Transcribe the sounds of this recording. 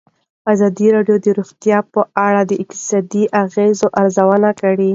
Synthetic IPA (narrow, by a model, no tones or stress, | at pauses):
azɑd̪iɾɑɖjod̪əɾuɣt̪jɑpəʔaɽad̪əɪqt̪ɪ̥sɑd̪iʔaɣezoʔaɾzawənakaɽi